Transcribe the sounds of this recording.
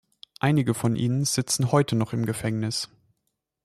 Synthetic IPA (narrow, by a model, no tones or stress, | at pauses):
ʔaɪnɪɡəfɔnʔḭːnənz̥ɪt͡sn̩hɔʏtʰənɔχɪmɡəfɛŋnɪs